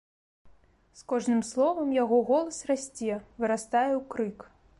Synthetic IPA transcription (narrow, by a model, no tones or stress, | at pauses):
skɔʐnɨmslˠɔvɐmjaɣɔɣɔlˠɐsrasʲt͡sʲɛvɨɾast̪ajɛwkɾɨk